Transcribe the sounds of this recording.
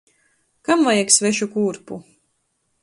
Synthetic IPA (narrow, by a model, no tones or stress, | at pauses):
kamvajaksvɛʃukuːɾpu